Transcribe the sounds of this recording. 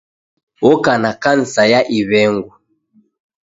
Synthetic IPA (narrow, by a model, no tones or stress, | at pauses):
ɔkanakan̩sajaʔiβɛŋɡu